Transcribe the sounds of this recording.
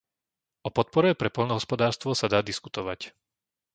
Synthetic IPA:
ɔpɔt̪̚pɔɾɛpɾɛpɔlnɔɦɔspɔd̪aːɾst̪ʋɔsad̪aːd̪isku̥t̪ɔʋac

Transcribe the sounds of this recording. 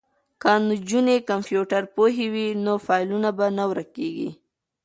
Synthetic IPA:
kand͡ʒunekampjuʈaɾpoɦewinofɑjlunabanawɾakeɡḭ

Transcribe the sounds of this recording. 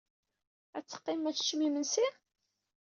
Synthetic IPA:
æt͡sːə̥qːɪmæt͡sːt͡ʃːmimənsi

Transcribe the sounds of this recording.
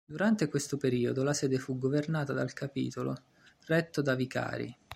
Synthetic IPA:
d̪uɾant̪ekwest̪opeɾiːod̪olasɛːd̪efuɡːovernaːt̪ad̪alkʰapḭːt̪olo | rɛt̪ːod̪avika̰ːɾḭ

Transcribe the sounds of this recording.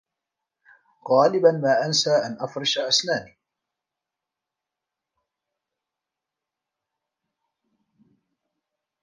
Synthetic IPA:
ɣɑːlɪbanmaːʔansaːʔanʔafɾˤɑʃaʔasnaːniː

